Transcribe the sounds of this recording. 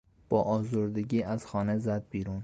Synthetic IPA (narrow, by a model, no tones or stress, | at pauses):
b̥ɒʔɒzoɾd̪ɪɡʲiʔæz̥xɒːnezæd̪̚biɾun